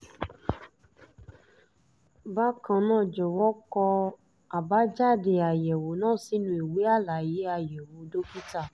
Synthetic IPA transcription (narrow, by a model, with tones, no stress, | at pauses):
ba˦kã˧nãː˦˨d͡ʒɔ˨wɔ˦kɔ˧ | a˨ba˨˦d͡ʒa˦˨de˨a˨jɛ˨wo˨˦nãː˦˨˦si˦nũ˦e˨wi˨˦a˦la˨ji˨˦a˧jɛ˨wo˨˦do˦ki˦ta˦˨